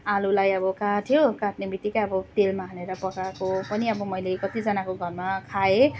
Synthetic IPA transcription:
alulajʌbʌkaʈʰijokaʈnebit̪ikaʌbʌt̪elmaɦʌneɾʌpʌkakopʌniʌbʌmʌjlekʌt̪id͡zʌnakoɡʱʌrmakʰae

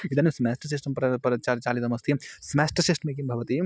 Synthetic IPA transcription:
id̪ɐnismesʈɐɾs̬isʈɐmpɾɐpɐt͡ʃat͡ʃaːlid̪ɐmɐst̪ʰismɛsʈɐɾsisʈɐmek̬imbʱɐʋɐt̪i

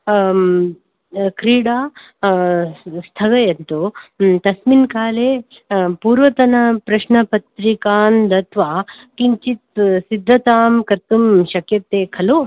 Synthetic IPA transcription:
kɾiːɽaː | st̪ʰɐɡɐjɐnt̪ut̪ɐsminkaːleː | puːɾʋɐt̪ɐnɐpɾɐʃɳɐpɐt̪ɾikaːnd̪ɐt̪ʋaː | kiɲt͡ʃit̪sid̪ʱːɐt̪aːmkɐɾt̪umʃɐkjɐt̪eːkʰɐlo

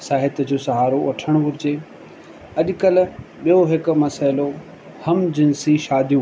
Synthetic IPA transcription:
saːɦɪt̪d͡ʑoːsɐɦaːɾoɐʈʰəɽ̃ʋʊɾɪd͡ʑeː | ɐʄkɐlɓijoɦɪkmɐsaːɪlo | hɐmd͡ʑɪnsiʃaːd̪ʱjũ

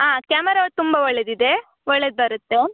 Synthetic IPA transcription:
ɦaːkaːmɐɾat̪umbaʋɔɭːed̪id̪e | ʋɔɭːed̪̚bɐɾut̪ːe

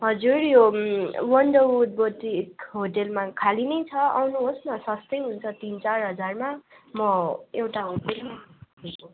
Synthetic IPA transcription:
ɦʌd͡zurjowʌɳɖʌʈ̚botikɦoʈelmakʰalinʌjt͡sʰʌa̰wnuɦosnʌsʌst̪ʌjɦunt͡sʰʌt̪int͡sarɦʌd͡zarmamʌewʈaɦoʈelmako

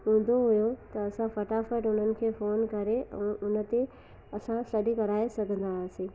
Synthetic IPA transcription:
ɦũːn̆d̪oɦʊjot̪ɐɐsãfɐʈafəʈʊn̤ənɪ̆kʰeːfoːnkɐɾeʔɛ̰̃ːʔʊnə̆t̪e | ɐsãsɐɗikɐɾaːesɐɡʱə̃nd̪asĩː

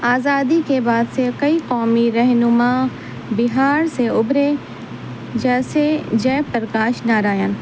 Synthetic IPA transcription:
aːzaːd̪ikebaːd̪sekɐiqɔːmiɾɛɦnʊma | bɪɦaːɾseʊbɾe | d͡ʒɛːsed͡ʒɛːpəɾəkaːʃnaɾaːjan

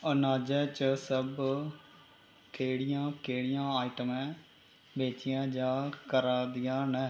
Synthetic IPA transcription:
ənaːd͡ʒɛːt͡ʃəsəb | keːɽɪjãːkeːɽɪjãːaːiʈəmɛ̃ː | beːt͡ʃɪjãːd͡ʒãːkəɾaːd̪ɪjãːnɛː

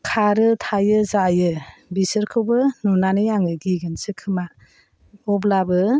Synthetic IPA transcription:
kʰaɾɯtʰajɯzajɯbisɯɾkʰɯwbɯnɔnanɯjaŋɯɡiɡɯnsɯkʰɯma | ɔb̬labɯ

